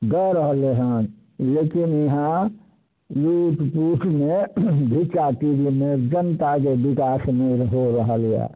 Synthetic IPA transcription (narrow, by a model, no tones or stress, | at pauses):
ɡəɾəɦəleɦãːd͡ʒ | leːkɪnjɐɦã | juːʈpuːʈʰmẽbʱit͡ʃat̪iɾimẽd͡ʒənt̪akebɪkaːsmeɾɦoɾəɦəlja̰